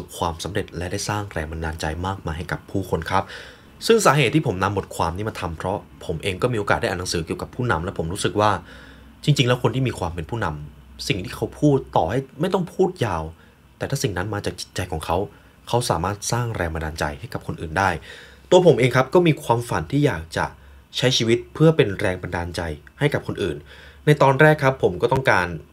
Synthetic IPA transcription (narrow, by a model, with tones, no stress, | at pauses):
su˨˩p̚kʰwaː˧msa˩˦mɾe˨˩t̪̚lɛ˦˥daː˥˩jsaː˥˩ŋɾɛː˧ŋma˧naː˧nt͡ɕa˧jmaː˥˩k̚maː˧jɦa˥˩jka˨˩pʰːuː˥˩kʰo˧nkʰa˦˥p̚ | sɯ˥˩ŋsaː˨˦ɦe˨˩t̪ʰːiː˥˩o˩˦mna˧mːo˨˩t̪̚kʰwaː˧mniː˦˥ma˧nt̪ʰa˧mpʰɾɔ˦˥pʰo˩˦mʔeː˧ŋkɔː˥˩miː˧ʔoː˧kaː˨˩da˥˩ʔna˨˦sɯː˩˦ki˨˩əwka˨˩pʰːuː˥˩na̰˧mlɛ˦˥wpʰo˩˦mɾuː˦˥sɯ˨˩k̚waː˥˩ | t͡ɕi˧ŋt͡ɕi˧ŋlɛ˦˥wkʰo˧nt̪iː˥˩miː˧kʰwaː˧mpe˧npʰuː˥˩˨na˧msi˨˩ŋt̪ʰiː˥˩kʰa˦˥wpʰuː˥˩t̪ːɔː˨˩ha˥˩jma˥˩jt̪ɔ˥˩ŋpʰuː˥˩t̪̚jaː˨˩w | t̪ɛː˨˩t̪ʰa˥˩si˨˩ŋna˦˥nmaː˧t͡ɕaː˨˩k̚t͡ɕi˨˩t̪̚t͡ɕa˧jkʰɔː˩˦ŋkʰa˦˥w | kʰa˦˥wsaː˨˩˦maː˥˩t̪̚saː˥˩ŋɾɛ̰ː˧ŋma˧daː˧nt͡ɕa̰˧jha˥˩jka˨˩p̚kʰo˧nʔɯ̰ː˨˩ndaː˥˩jt̪u˧ɐpʰo˩˦mʔeː˧ŋkʰa˦˥p̚kɔː˥˩miː˧kʰwaː˧mfa˨˩˦nt̪ʰiː˥˩jaː˨˩k̚t͡ɕa̰˨˩ | t͡ɕʰa˦˥jt͡ɕʰiː˧wi˦˥t̪̚pʰɯ˥˩ɐpe˧nɾɛː˧ŋba˧ndaː˧nt͡ɕa˧jha˥˩jka˨˩p̚kʰo˧nʔɯː˨˩nː | a˧jt̪ɔː˧nɾɛː˥˩kʰɾa˦˥pʰːo˩˦mkɔː˥˩t̪ɔ˥˩ŋkaː˧n